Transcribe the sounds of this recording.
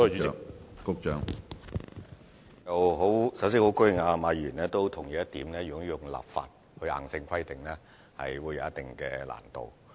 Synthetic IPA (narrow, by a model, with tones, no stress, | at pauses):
ɔ˥˨t͡ʃy˨˥˧kʊ˥k̚t͡ʃœː˨˧ŋ | jɐ˨wɦo˨˥wsɐ˨˥ws̬iː˥ho˨˧˥wkɵ˥ɥjɪ˨ŋaː˧maː˨˧jɥyː˨˩nlɛː˥t̪o˥wt̪ʰʊ˨˩ŋjiː˨jɐ˥t̪iː˨˥mnɛː˥jy˨kɔ˥jjʊ˨ŋla̰ː˨p̚fa̰ː˨t̚ | hɵ˧ha̰ː˨˩ŋsɪ˧ŋkʰɐ˥jt̪ɪ˨˩ŋlɛː˥ | hɐ̰˨jwuː˨˧jɐ̰˨˧˦ɐ˥t̪ɪ˨ŋkɛː˧la̰ː˨˩nt̪o̰˨w